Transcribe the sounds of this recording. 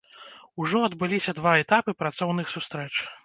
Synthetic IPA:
uʐɔɐd̪bɨlʲisʲɐd̪vaɛt̪apɨpɾat̪sɔwn̪ɨxsust̪ɾɛt͡ʂ

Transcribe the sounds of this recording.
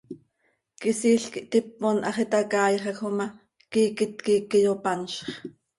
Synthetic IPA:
kisiːɬkiʔt̪ip̚ːonʔɑχit̪ɑkɑːjχɑxomɑ | kiːkɪt̪kiːkːijopɑnʃχ

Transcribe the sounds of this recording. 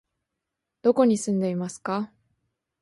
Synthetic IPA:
d̪̥o̞ko̞ɲ̟isɨ̃nd̪e̞imasɨ̥ka

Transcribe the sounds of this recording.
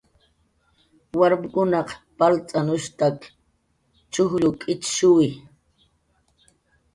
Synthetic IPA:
waɾmɪkʊnɑqpalt͡sʼanʊʃt̪ak | t͡ʃʊxʎʊkʼɪt͡ʃʃʊwɪ

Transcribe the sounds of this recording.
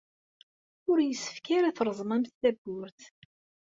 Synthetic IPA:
ʊɾjəsːə̥fkaɾæθɾˤəzˤmæmθːæɡːʊɾθ

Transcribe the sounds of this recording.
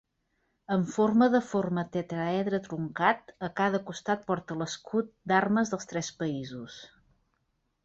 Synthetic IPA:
əɱforməðəformət̪et̪ɾaɛðɾət̪ɾuŋkat̪əkaðəkust̪at̪̚pɔɾt̪ələskʰut̪̚d̪arməzðəlˠst̪ɾɛspəizus

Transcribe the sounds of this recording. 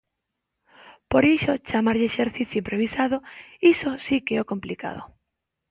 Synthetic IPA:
poɾiʃot͡ʃamaɾʎeʃeɾθiθjuimpɾoβ̞isað̞ʊisosikeokomplika̰ðo̰

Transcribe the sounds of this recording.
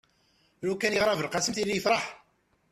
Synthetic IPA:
ɾukːænjəʁɾˤɑvəlqɑsəmθilijəfɾˤɑħ

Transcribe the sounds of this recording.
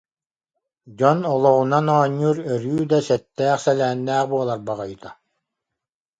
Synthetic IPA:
d͡ʑɔnɔlˠɔʁunanɔːɲːuːɾœɾyːd̪asɛt̪ːæːχsɛlæːnːæːχbuɔlˠaɾbaʁɔjt̪a

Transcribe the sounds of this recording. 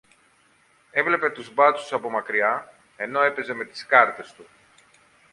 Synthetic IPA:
e̞vle̞pe̞t̪uzbɐt͡su̥sɐpo̞mɐkɾiɐ | e̞no̞e̞pe̞ze̞me̞t̪i̥skɐɾt̪e̞st̪u

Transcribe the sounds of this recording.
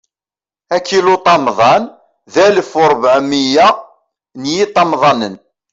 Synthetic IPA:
ækːilut̪ˤɑmðˤɑn | ðæləfʊɾˤbʕmijæ | njit̪ˤːɑmðˤɑnən

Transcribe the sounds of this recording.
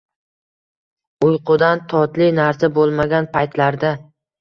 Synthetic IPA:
ʊjqʰʊd̪ant̪ʰɒt̪lɪnaɾsabolˠmaɡʲanpʰajt̪laɾd̪a

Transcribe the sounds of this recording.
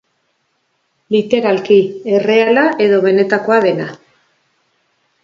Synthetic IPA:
lit̪e̞ɾalkie̞re̞alaʔe̞ðo̞βe̞ne̞t̪ako̞aðe̞na

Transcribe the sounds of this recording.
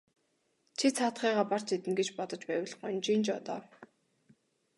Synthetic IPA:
t͡ɕʰit͡sʰaːt̪χiːʁaːpar̥t͡ɕet̪ɘ̆nɡet͡ɕpɔt̪ɞ̆t͡ɕpæːw̆ɮχɔnʲt͡ɕiːnt͡ɕɔt̪ɔːw

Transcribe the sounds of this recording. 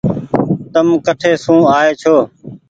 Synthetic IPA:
t̪əmkəʈʰeːsũːaːeːt͡ʃʰoː

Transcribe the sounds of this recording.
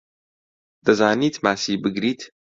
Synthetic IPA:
d̪̥ɐzaːniːt̪maːsiːbɨɡɾiːt̪

